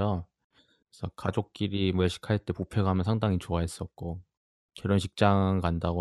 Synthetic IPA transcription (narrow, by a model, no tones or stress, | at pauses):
ʌ | esʰʌkad͡ʑok̚k͈iɾimʌɭɕʰi̥kʰaɭt͈e̞popʰe̞ɡaɦamjʌnsʰaŋdaŋit͡ɕoaɦes͈ʌt̚k͈o | keɾʌnɕʰi̥k̚t͡ɕ͈aŋkandaɡo